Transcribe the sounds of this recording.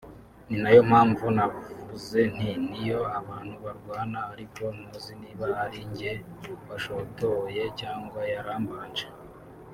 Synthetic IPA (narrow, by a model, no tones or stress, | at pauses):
ninajo̞m̥haːɱvunavuze̞n̥inijo̞aβaːn̥huβaɾɡwaːnaaɾiko̞noziniβaaɾiɲɟe̞ | βaʃotoje̞caːŋɡwajaɾaːmbaːnd͡ʒe̥